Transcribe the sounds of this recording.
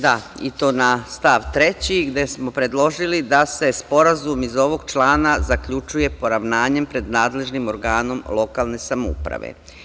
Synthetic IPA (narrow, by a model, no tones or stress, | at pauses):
d̪ait̪o̞ːnast̪aːʋt̪ɾe̞t͡ɕiɡd̪e̞smo̞pɾe̞d̪lˠo̞ʒilid̪ase̞spo̞ɾazumizo̞ʋo̞ɡt͡ʃlˠaːnazakʎut͡ʃuje̞po̞ɾaʋnaːɲe̞mpɾe̞d̪naːd̪le̞ʒnimo̞ɾɡaːno̞mlˠo̞kalˠne̞samoṵpɾa̰ʋḛ